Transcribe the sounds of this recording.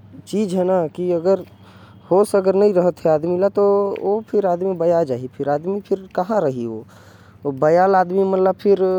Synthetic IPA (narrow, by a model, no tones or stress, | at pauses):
t͡ʃiːd͡ʒɦɛnakiəɡəɾ | hosəɡəɾnəĩɾəɦət̪ɦɛaːd̪milat̪oopʰɪɾaːd̪mibəjad͡ʒaːɦipʰɪɾaːd̪mipʰɪɾkəɦãɾəɦio | bəjaːlaːd̪mimət̪ləb̚pʰɪɾ